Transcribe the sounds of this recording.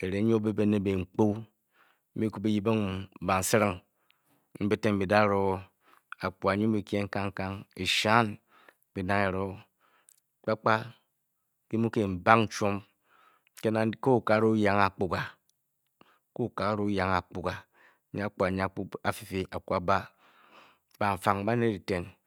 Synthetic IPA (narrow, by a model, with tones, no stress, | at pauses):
e˨ɾe˨˦be˦be˦ne˦be˨ŋ͡m̩˨k͡po˦ | m̩˦i˦ku˦be˦ji˦be˦ŋ˨ba˨n̩˨si˦ɾi˦ŋ | m̩˦be˦te˦m̩˨bi˨da˦˨ɾo˨˦ | a˨k͡pu˨a˨ɲi˦bi˨ke˦ŋ̩˦ka˦ŋ̩˦ka˦ŋe˨ʃa˦n˨ | bi˨na˦ŋe˨ɾo˦ | k͡pa˦k͡pa˦ | ki˦mu˦ke˦˨m̩˨ba˦ŋn̩˦t͡ʃo˦m | ke˦na˨ko˦u˨ka˨˦ɾo˦u˦ja˨ŋa˨k͡pu˨ɡa˨ | ko˦˨ka˨a˦ɾo˦u˦ja˨ŋa˨k͡pu˨ka˨ | ɲ˦a˦k͡pu˨a˨ɲ˦a˦˨k͡pu˦a˨fi˨fi˦ʔa˨kʷu˨a˨ba˦ | ba˨ɱ̩˨fa˨ŋ˦ba˦ne˦ɾi˨te˨n